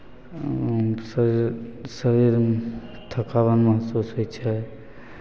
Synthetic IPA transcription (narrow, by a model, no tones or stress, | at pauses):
s | səɾiɾt̪ʰəkaβənməɦt̪susɦojt͡ʃʰɛ